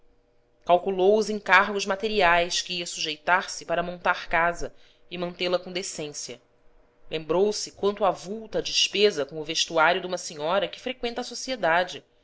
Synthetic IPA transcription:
kawkulowʊzẽŋkaɾɡʊzmat̪eɾiajʃkɪiɐsuʒejt̪aɾsɪpaɾɐmõnt̪aɾkazɐ | ɪmɐ̃nt̪elɐkõd̪esẽsjɐ̰ | lʔẽmbɾowsɪkwɐ̃nt̪ʊavuwt̪ɐːd͡ʒɪʃpezɐkõʊveʃt̪uaɾjʊd̪ũmɐseɲɔɾɐkɪ̥fɾekwẽnt̪ɐːsosied̪ad͡ʒɪ

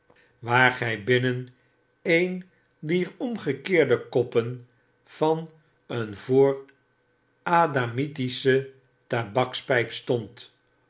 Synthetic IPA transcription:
ʋaːɹχɛjbɪnən | ejn | diːɹɔmχəkɪːɹdəkɔpən | v̥ɑn | ənvoːɹ | ʔaːdamitisə | tabɑkspɛjpstɔnt

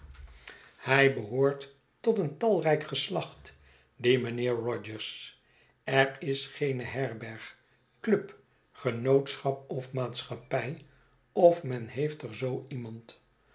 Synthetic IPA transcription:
hɛjbəɦʊːɹtː | ɔtəntɑlˠrɛjkχəslɑχt | dimənɪːɹrɔd͡ʒəɹs | ɛɹɪsχejnəɦɛɹbɛɹχ | klɵp | χənowtsχɑp̚ɔfmaːtsχɑpɛj | ɔfmɛnɦejftəɹzowimɑnt

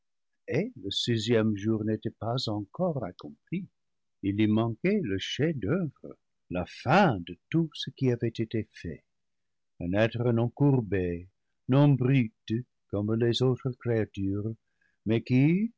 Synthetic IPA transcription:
eləsizjɛmʒuʁnetɛpazɑ̃kɔʁakɔ̃pli | ilimɑ̃keləʃedœvʁə̰ | lafɛ̃dətusəkiavɛtetefɛ̰ | ə̃nɛt̪ʁənɔ̃kuʁbe | nɔ̃bʁyt̪ | kɔmlezot̪ʁəkɾeatyʁ | mɛki

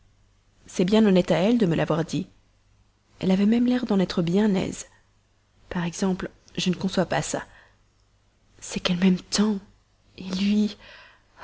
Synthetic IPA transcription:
sɛbjɛ̃nɔnɛt̪aɛld̪əməlʔavwaʁd̪i | ɛ̰lavɛmɛmlɛʁd̪ɑ̃nɛt̪χəbjɛ̃nɛ̰z | paʁɛɡzɑ̃pl | ʒənəkɔ̃swapasa̰ | sɛkɛlmɛmt̪ɑ̃ | ilɥi

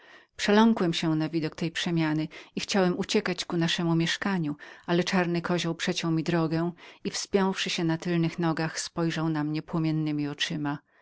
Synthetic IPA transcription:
pʂɛlɔŋkwɛmɕɛnavʲid̪ɔkt̪ɛjpʂɛmʲjanɘixt͡ɕawɛmut͡ɕɛkat͡ɕkunaʂɛmumʲjɛʂkaɲuʔalɛt͡ʂaɾnɘkɔʑɔwpʂɛt͡ɕɔ̃w̃mʲid̪ɾɔɡɛ̃w̃ifspʲjɔ̃w̃fʂɘɕɛnat̪ɘlnɘxnɔɡaxspɔjʐawnamɲɛpwɔmʲjɛnːɘmʲiɔt͡ʂɘma

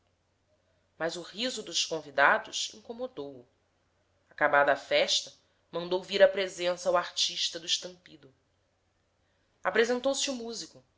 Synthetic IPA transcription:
mɐzʊʁizʊd̪ʊʃkõvid̪ad̪ʊʃḭ̃ŋkomod̪owʊ | akabad̪ɐafɛʃt̪ɐ | mɐ̃nd̪owviɾɐpɾezẽsɐwaɾt͡ʃiʃt̪ɐd̪ʊiʃt̪ɐ̃mpid̪ʊ | apɾezẽnt̪owsiumuzikʊ

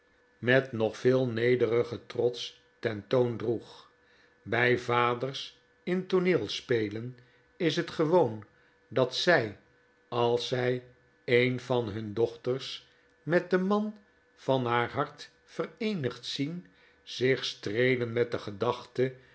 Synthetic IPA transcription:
mɛtnɔχfɪːlˠnejdərəχətrɔts | tɛntowndruχ | bɛjvaːdərs | ɪntonɪːlˠspejlən | ɪsɦətχəʋown | dɑtsɛj | ɑlˠsɛj | ejnvɑnɦɵndɔχtərs | mɛt̚dəmɑn | v̥ɑnɦaːɹɦɑɹt | fərejnəχtsin | z̥ɪχstrejlənmɛt̚dəχədɑχtə

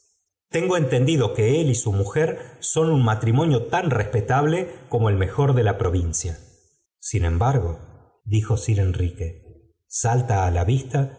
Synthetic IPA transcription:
t̪e̞ŋɡoe̞nt̪e̞nd̪iðo̞ke̞elisumuxeɾso̞nunmat̪ɾimo̞njo̞t̪anrespe̞t̪aβle̞ko̞mo̞elme̞xo̞ɾðe̞lapɾo̞β̞insja | sinẽ̞mbaɾɣo̞ | ðixo̞siɾenrike̞ | salt̪aːlaβist̪a

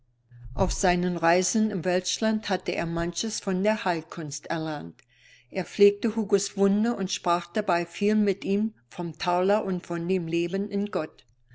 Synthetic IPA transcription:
ʔaʊfz̥aɪnənʁaɪzənɪmvɛlʃlanthatəʔḛːɐmançəsfɔndeːɐhaɪlkʰʊnstʔɛɐlant | ʔeːɐp͡fleːk̚təhuːɡʊsv̥ʊndəʊntʃpʁ̥aːχd̥abaɪfiːlmɪtʔiːmfɔmtʰaʊlɐʔʊntfɔndeːmleːbənʔɪnɡ̥ɔt

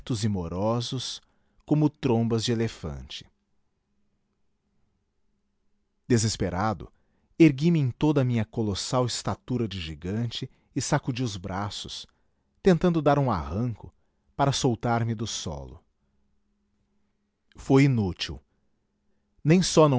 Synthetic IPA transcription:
t̪ʊzɪmoɾɔzʊs | kõmʊt̪ɾõbɐzd͡ʒɪelefɐ̰̃nt͡ʃɪ̥ | d̪̥ezespeɾad̪ʊ̰ | eɾɡimɪẽj̃t̪od̪ɐmĩɲɐkolosawɪst̪at̪uɾɐd͡ʒɪʒiɡɐ̃nt͡ʃɪː | sakud͡ʒiʊzbɾʔasʊs | t̪ẽnt̪ɐ̃nd̪ʊd̪aɾũa̰hɐ̃ŋkʊ | paɾɐsowt̪aɾmɪd̪ʊsɔ̰lʊ̰ | fojinut͡ʃiw | nẽj̃sɔnɐ̃

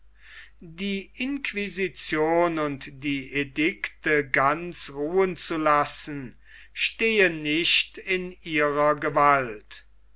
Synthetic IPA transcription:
diːʔɪnkʰvizit͡sjoːnʊntd̥iːʔedɪktəɡansʁuːənt͡sulasn̩ | ʃteːənːɪʃtɪniːʁɐɡəvalt

